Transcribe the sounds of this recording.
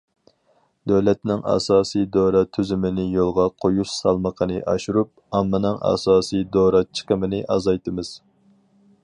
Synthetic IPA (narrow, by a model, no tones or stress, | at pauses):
d̪øwlɛt̪nɪŋʔɑ̰ːsɑːsijd̪oːɾɑt̪ʰyzymɪnɪjolˠʁɑqʰojuʃsɑlˠməqʰənɨʔɑʃuɾup̚ɑmːɨnɨŋʔɑ̰ːsɑːsijd̪oɾɑt͡ʃʰə̥qəmɪnɪʔɑzɑjt̪ɨmɨz̥